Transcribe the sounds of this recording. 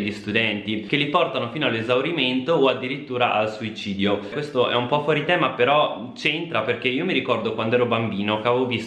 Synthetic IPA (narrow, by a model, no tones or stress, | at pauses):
ʎːist̪ud̪ɛnt̪ikelːipɔrt̪anofiːnoalːezawɾiment̪oːad̪ːiɾit̪ːuːɾaʔalsuit͡ʃiːd̪jokwest̪oʔɛ̰umpɔfwɔːɾit̪ɛːmapeɾɔ | t͡ʃent̪ɾaperkeiːomiɾikɔrd̪okwand̪oɛːɾobambiːnokeavevovis